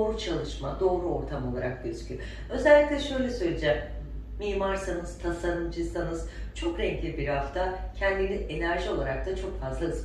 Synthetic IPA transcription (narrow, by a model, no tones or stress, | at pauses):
oːɾut͡ʃʰalˠɯʃmad̪o̞ːɾuo̞ɾt̪ʰamo̞lˠaɾak̚ɟøzycʲʰy | ø̞zɛlʲːicʲlʲɛʃø̞jlʲɛsø̞jlʲed͡ʒɛm | miːmaɾsanɯz̥t̪ʰasaɾɯmd͡ʒɯzanɯz̥t͡ʃʰo̞kɾɛɲclʲibiɾhaft̪ʰacʰɛnd̪inie̞næɾʒio̞lˠaɾak̚t̪ʰat͡ʃʰo̞kfazlˠaɯz